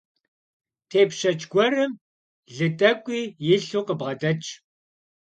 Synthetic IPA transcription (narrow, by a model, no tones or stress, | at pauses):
tʰeːpʃɐt͡ʃʼɡʷɔrɨm | ɮɨtʼɐkʷʼiːjɪɬuːqəbʁɐdɐt͡ʃʼ